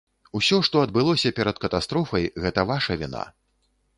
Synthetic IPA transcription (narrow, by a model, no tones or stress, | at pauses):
usʲɔʂt̪ɔɐd̪̚bɨlˠɔsʲɐpʲɛɾɐt̪kɐt̪ast̪ɾɔfɐjɣɛt̪ɐvaʂɐvʲina̰